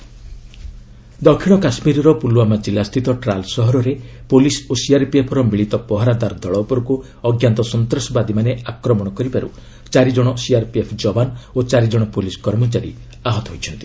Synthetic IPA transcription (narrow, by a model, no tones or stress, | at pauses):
d̪ɔkʰiɽ̃ɔkasmiɾɔɾɔpuluwamad͡ʒilast̪ʰit̪ɔʈɾalsɔɦɔɾɔɾe | polisosiaɾpiepʰɔɾɔmiɭit̪ɔpɔɦaɾad̪aɾɔd̪ʱɔɭɔpɔɾku | ɔɡjant̪ɔsɔnt̪ɾɔsɔbad̪imaneakɾɔmɔɽ̃ɔkɔɾipaɾṵ | t͡ʃaɾid͡ʒɔɽ̃ɔsiaɾpiepʰd͡ʒɔbanot͡ʃaɾid͡ʒɔɽ̃ɔpoliskɔɾmɔt͡ʃaɾḭ | aɦɔt̪ɔɦojt͡ʃʰɔnt̪i̥